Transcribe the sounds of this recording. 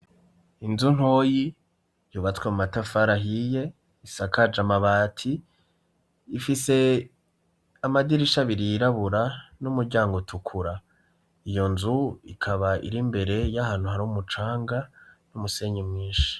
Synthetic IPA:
inzun̥ho̞ːji | juːβat͡swemumatafaɾaɦije̞ | isakʰad͡ʒamaβaːtʰi | fise̞ | amadiɾiʃaβiɾiːɾaβuɾanumuɾɟaːŋɡotʰukʰuɾa | ijo̞nzuḭkʰaβaḭɾimbe̞ɾe̞jahaːnhuɦaɾumut͡ʃaːŋɡanumuse̞ːɲemŋiːʃi̥

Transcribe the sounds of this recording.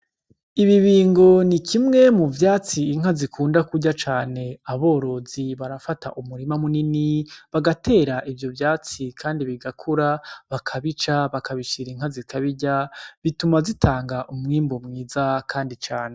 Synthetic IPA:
iβiβiːŋɡo̞nikimŋe̞muvjaːt͡siːŋ̥azikʰuːndakuɟat͡ʃaːne̞aβo̞ːɾo̞ziβaɾafatʰa̰ʔumuɾimamuniniβaɡatʰe̞ːɾaʔivjo̞vjaːt͡sikʰaːndiβiɡakʰuɾaβakʰaβit͡ʃaβakaβiʃiɾiŋhazikʰaβiɟaβitumazitʰaːŋɡaʔumŋiːmbomŋiːzakʰaːndit͡ʃaːne̞

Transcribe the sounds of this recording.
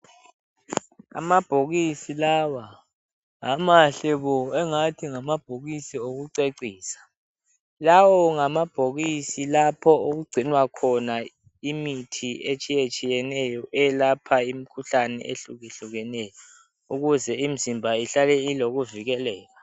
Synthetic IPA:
a̰mab̥ʱoɣisilawa | amaɬɛβɔɛŋatʰiŋamab̥ʱoɣisioɣuǀeǀiːsḁ | lawɔŋamab̥ʱoɣisilapʰɔoɣuɡ͡ǀʱinwakʰɔna | imitʰiet͡ʃʼijet͡ʃʼijɛnɛjɔʔɛlapʰaim̩kʰuɬanɛ̰ʔeɬuɣiɬuɣɛnɛjɔ | uɣuzɛim̩zimbʱaiɬalɛiloɣuviɣɛlɛːla

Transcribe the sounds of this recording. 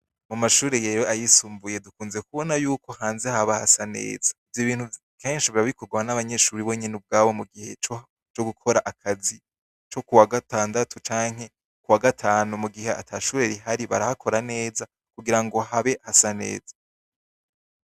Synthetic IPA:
mumaʃuːɾejeɾoʔajisuːmbuje̞dukuːnzekuβo̞najuːkʰo̞haːnzehaβahasane̞̰ːzavjoβiːn̥hu | ke̞ːnʃiβiɾaβikʰoɡwawanaβaɲe̞ʃuːɾiβo̞ːɲenub̚ɡaːβo̞muɡihe̞ | t͡ʃo̞ɡukʰo̞ɾaʔakʰazi | t͡ʃo̞kuwaɡataːndatʰut͡ʃaːŋ̥ɦe̞ | kuwaɡatʰaːnumuɡiɦe̞atʰaʃuːɾe̞ɾiɦaɾiβaɾahakʰo̞ɾane̞ːza | kuɡiɾaŋɡo̞ɦaβe̞hasane̞̰ːza

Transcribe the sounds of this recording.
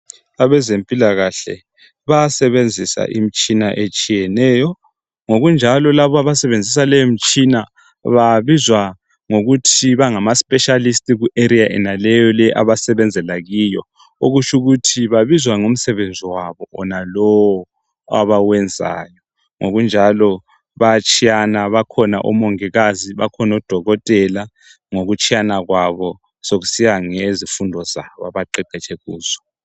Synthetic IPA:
aβɛzempʼilaɣaɬɛ̰ | βaasɛβend͡zʱisa̰ʔim̩t͡ʃʼinaʔet͡ʃʼijɛnɛjɔ | ŋoɣund͡ʒʱalɔlaβɔaβasɛβend͡zʱis̬alɛjom̩t͡ʃʼina | βaβizwa | ŋoɣutʰiβaŋamaspʼɛʃalistʼiɣuʔeɾiaʔɛ̰nalɛjɔlɛʔa̰βasɛβɛnd͡zʱɛlaɣijɔ̰ | oɣut͡ʃʰʼuɣutʰiβaβizwaŋom̩sɛβend͡zʱiwaβɔʔɔnalɔwɔ | a̰βawɛnd͡zʱa̰ːjɔ | ŋoɣund͡ʒʱalɔ | βat͡ʃʰʼijanaβakʰɔnaʔɔ̰mɔŋiɣaziβakʰɔnɔd̥ʱɔɣɔtʼɛla | ŋoɣut͡ʃʰʼijanaɣwaβɔ | soɣusijaŋezifundʱɔzaβa̰βaǃɛǃʱɛt͡ʃʼʰɛɣuːz̥ɔ̥

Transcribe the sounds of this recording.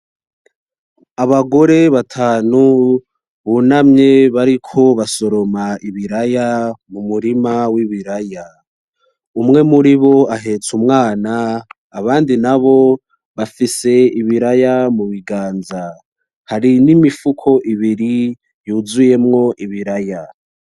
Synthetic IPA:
aβaɡo̞ɾe̞βatʰaːnu | βunamɲe̞βaɾikʰo̞βaso̞ɾo̞maiβiɾajamumuɾimawiβiɾaja | umŋe̞muɾiβo̞aɦe̞t͡sumŋaːnaː | βaːndinaβo̞ | βafise̞iβiɾajamuβiɡaːnza | haɾinimifukʰo̞ʔiβiɾi | juːzuje̞mŋo̞ʔiβiɾaja

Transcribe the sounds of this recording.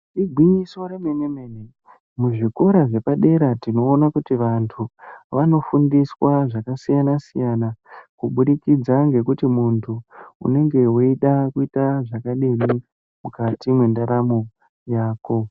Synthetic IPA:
ɗiɡʱwiɲiso̞reme̞ne̞me̞ːne | muʐiko̞ɾaʐe̞paɗe̞ɾatino̞ːnakutiʋantʰuʋano̞fundiswaʐakasijanasijanakuɓuɗikid͡zaŋɡe̞kutimuntʰuṵne̞ŋɡe̞woiɗakuitaʐakaɗemi | mukatimwendaɾamo | jaːko̞

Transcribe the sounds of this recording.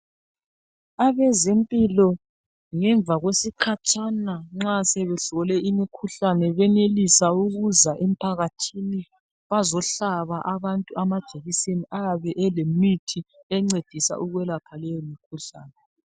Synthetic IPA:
aβɛzempʼilɔ | ŋɛɱvʱaɣwesikʰat͡ʃʰʼanaŋ͡ǁasɛβɛɬɔlɛimikʰuɬanɛβɛnelisauɣuzaʔem̩pʰaɣatʰini | βazɔɬaβaʔaβantʼuamad̥ʒ̥ʱeɣiseniʔaβɛʔɛlemitʰiɛŋ͡ǀed̥ʱisa̰ʔuɣwɛlapʰalɛjomikʰuɬa̰ːnɛ

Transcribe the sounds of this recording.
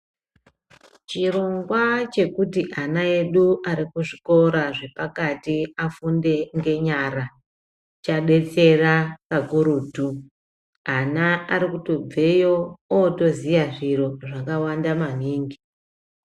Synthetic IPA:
t͡ʃiro̞ŋɡwat͡ʃe̞kutiʔanae̞ɗuaɾikuʐiko̞ɾaʐe̞pakatiafunde̞ŋɡe̞ɲaɾa | t͡ʃaɗe̞t͡se̞rakakuɾuːtu | anaaɾikuto̞b͡ve̞jooto̞zijaʐiro̞ʐakawandaman̤iːŋɡi

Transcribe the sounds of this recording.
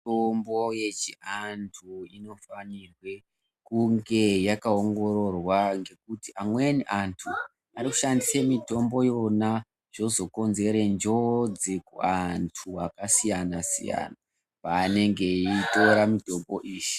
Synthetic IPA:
tombojet͡ʃiantʰuino̞fanirwe̞ | kuŋɡe̞jakaoŋɡo̞ɾo̞rwaŋɡe̞kutiʔamweniʔantʰu | ariku̥ʃandisemito̞mbo̞jo̞na | ʐ̥o̞zo̞ko̞nze̞ɾend͡ʒo̞d͡zikṵantʰuakasijanasḭja̰na | paːne̞ŋɡe̞ito̞ɾamito̞mbo̞ʔiːʃi̥

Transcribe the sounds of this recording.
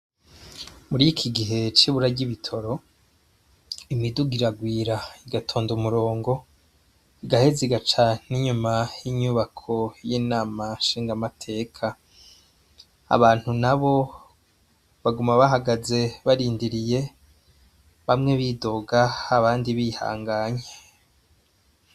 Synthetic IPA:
muɾikʰiɡiɦe̞t͡ʃiβuɾaɟiβitʰo̞ɾo̞ | imiduɡiɾaɡwiːɾaiɡatʰo̞ːndumuɾo̞ːŋɡo̞ | iɡaheziɡat͡ʃaniɲumajiɲuβakʰo̞jiːnaːmaʃiːŋɡamatʰe̞ːkʰa | βaːn̥hunaβo̞ | βaɡumaβaɦaɡaze̞βaɾiːndiɾije̞ | βamŋe̞βido̞ɡaːβaːndiβiha̰ːŋɡaːɲe

